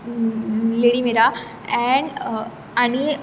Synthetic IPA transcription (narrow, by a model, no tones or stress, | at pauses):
leɽimeɾa | ɛ̃ɳɖ | añi